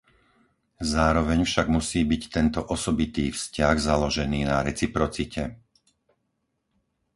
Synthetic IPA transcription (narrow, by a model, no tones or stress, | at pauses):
zaːɾɔʋɛɲfʃaɡmusiːbict̪ɛnt̪ɔʔɔsɔbit̪iːfscaɣzalɔʒɛniːnaɾɛt͡sipɾɔt͡sicɛ